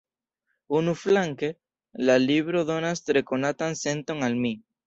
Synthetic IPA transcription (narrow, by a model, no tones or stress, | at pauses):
unuflaŋke | laliβɾoðonast̪ɾekonat̪ansent̪oŋalmi